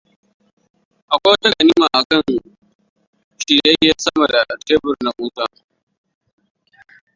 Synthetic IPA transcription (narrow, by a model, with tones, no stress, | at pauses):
ʔa˨kʷoː˦tɐ˦kɐ˨ni˦ma˨ʔa˨kɐ˦n | ʃi˨jɐ˦jeː˦sɐ˦mɐ˨da˨teː˦bʊ˨ɾnɐ˨kuː˦taː˦